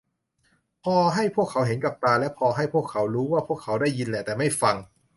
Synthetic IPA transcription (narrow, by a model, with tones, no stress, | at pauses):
pʰɔː˧ɦa˥˩jpʰu˥˩kʰːa˩˦wɦe˩˦nka˨˩p̚t̪aː˧lɛ˦˥pʰɔː˧ɦa˥˩jpʰu˥˩əkʰːa˩˦˥wɾuː˦˥waː˥˩pʰu˥˩kʰːa˩˦˥wdaː˥˩jːi˧nlɛ˨˩t̪ɛː˨˩ma˥˩jfa˧ŋ